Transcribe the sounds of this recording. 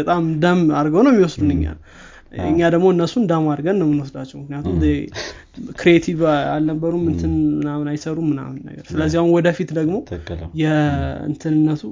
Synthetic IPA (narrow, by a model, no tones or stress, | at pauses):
ət̪ʼamd̪əmaɾɡəwnəwmːiwɔsd̪unɨɲːa̰nəw | ɨ̰ɲːad̪əɡmo̞ɨnːəsːund̪əmaɾɡənləmːɨnwɔsd̪at͡ʃːɛwmɨknijat̪ʰum | kɾiet̪ʰiva̰lnəbːəɾumːɨnt̪ʰɨnmɨnamɨnajsəɾumɨna̰mɨnːə̰ɡəɾsɨləzːiahunwɔd̪əfit̪d̪əɡmo̞jɛɨ̰nt̪ʰɨnɨnːət̪ʰu